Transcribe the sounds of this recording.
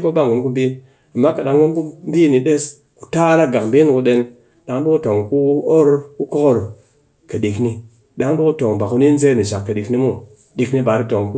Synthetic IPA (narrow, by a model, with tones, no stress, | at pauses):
ko˦ba˦ŋu˨˦nku˦m˦bi˦n | a˨mːa˦ka˨ɗa˧ŋwu˦nku˦m˦bi˦ni˧ɗe˦s | ku̥˨ta˦ɾa˦ɡa˨km˨bi˦n˨ku˧ɗe˧n | ɗa˨˦ŋ˦bi˦ku˦to˨ŋku˦o˦ɾku˦ko˦ko˦ɾ | ka˨ɗi˨kni˧ | ɗa˦ŋ˦bo˦ku˦to˨ŋba˨ku˧˦ni˦n̩˦ze˦ni˨ʃa˨kːa˨ɗi˨kni˧˦mu˦ | ɗi˨kni˧ba˨ɾi˦to˨ŋku˦